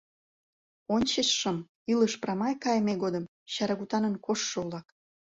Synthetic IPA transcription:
onʲt͡ɕəʃːəm | iləʃprɑmɑjkɑjmeɣod̪ə̆m | ɕɑɾɑɣut̪ɑnənkoʃːoulɑk

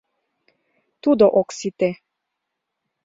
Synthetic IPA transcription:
t̪ud̪oʔoksit̪e

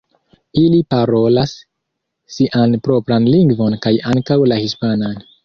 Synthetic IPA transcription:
ilipaɾo̞lasː | iʔanpɾo̞pɾanliŋɡvo̞nkajaŋkawlahispanan

